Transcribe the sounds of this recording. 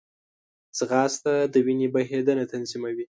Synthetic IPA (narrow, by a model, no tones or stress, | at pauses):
t͡sɣɑst̪ad̪əwinebaɦed̪ənat̪anzimawi